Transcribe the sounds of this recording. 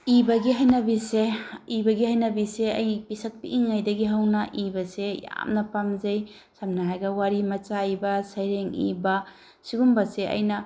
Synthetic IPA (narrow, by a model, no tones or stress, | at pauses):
ibɐɡiɦajnɐbiseibɐɡihajnɐbiseɐjpisɐt̚piʔiŋːajdɐɡiɦawnɐʔibɐseja̰mnɐpamzaj | samnaɦajɡɐwaɾimɐt͡ʃaibɐsajɾeŋḭbɐ | siɡumbɐseʔɐ̰jnɐ